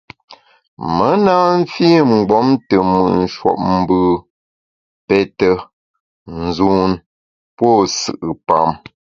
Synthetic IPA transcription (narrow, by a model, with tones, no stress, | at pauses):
mə˦na˦ɱ̩˦fi˦˨ŋ͡m̩˨ɡ͡bɔ˨˦mtə˨mɨ̰˨ʔn̩˨ʃwɔ̰˨p̚m̩˦bɨ˦˨ | pɛ˦tə˦ | n̩˨zu˦n | pwɔ˦˨sɨ̰˨ʔɨ˨pa̰˦˨m